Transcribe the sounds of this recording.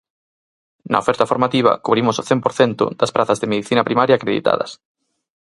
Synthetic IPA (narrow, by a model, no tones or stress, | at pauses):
na̰ofɛɾt̪afoɾmat̪iβ̞ɐ̰kuβɾimʊsoθempoɾθɛnt̪ʊ̰d̪ɐspɾaθazðemeðiθinɐpɾimaɾjaːkɾeðḭt̪a̰ðɐ̰s